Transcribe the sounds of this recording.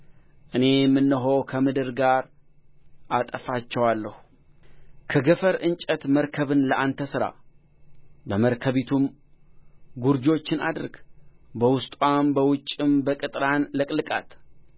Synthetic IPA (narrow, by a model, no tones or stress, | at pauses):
ʔɨne̞jmːɨnːəɦo̞wkʰəmɨd̪ɨɾɡaɾ | ʔat̪ʼəfat͡ʃːɛwalːəhu | kʰəɡəfəɾɨnt͡ʃʼət̪məɾkʰəβɨnləʔant̪ʰəsɨɾa̰ | bəməɾkʰəβit̪ʰum | ɡuɾd͡ʒo̞t͡ʃːɪna̰d̪ɾɡbəwʊst̪ʼwʷambəwʊt͡ʃʼːɪmbəkʼɨt̪ʼɾanlɨkʼlɨkʼa̰t̪